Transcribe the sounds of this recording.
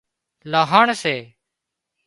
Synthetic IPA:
laːɦaːɳseː

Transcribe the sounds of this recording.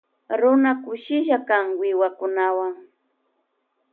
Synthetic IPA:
ɾʊnakʊʃɪʃakaŋwɪwakʊnawaŋ

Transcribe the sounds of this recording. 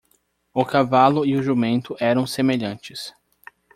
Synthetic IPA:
ʊkavalʊɪʊʒumẽnt̪ʊʔɛɾɐ̃w̃semeʎɐ̃nt͡ʃɪs

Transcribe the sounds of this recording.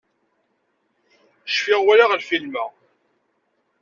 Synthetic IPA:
ʃfɪʁwælaʁlfilmæ

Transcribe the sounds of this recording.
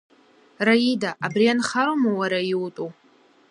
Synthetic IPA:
raidaʔabrianχaɾomawaɾaitʼu

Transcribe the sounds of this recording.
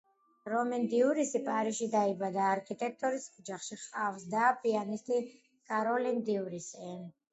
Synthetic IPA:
ɾɔmɛnd̪iuɾisipʼaɾiʃid̪aibad̪aːɾkʰʼit̪ʼɛk̚ʰt̪ʼɔɾisɔd͡ʒaχʃiχʼafsd̪aːpʼianist̪ʼi | kʼaɾɔlimd̪iuɾisɛ

